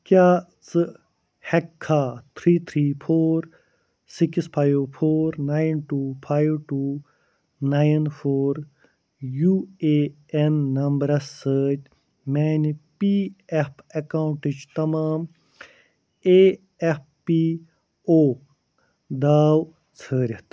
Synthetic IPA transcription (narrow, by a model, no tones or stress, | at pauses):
kjaː | t͡sɨ | hekʰːaːt̪ʰɾiːt̪ʰɾiːpʰoːɾ | sikspʰaːjwpʰoːɾnaːjnʈuːpʰaːjwʈuː | naːjnpʰoːɾ | juːeː | enːɐmbɐɾɐsəːd͡ʒʲ | meːnpiːepʰɐkawuɳʈit͡ʃt̪ɐmaːm | eː | ep̚ | pːiː | oː | d̪aːw | t͡sʰəːɾʲit̪